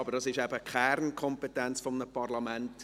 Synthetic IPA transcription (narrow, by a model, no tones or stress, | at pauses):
ɑbəɾd̥ɑsɪʃɛbəkχɛɾnkʰɔmpetɛnt͡sfɔmnəpɑrlɑmænt